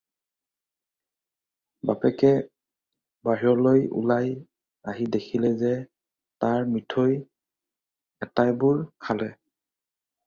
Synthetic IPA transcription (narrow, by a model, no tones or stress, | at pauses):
bapɛkɛ | baɦiɔlojṵlaj | aɦidekʰilɛzɛ | taɹmɹitʰoj | ɛtajbʊɹkʰalɛ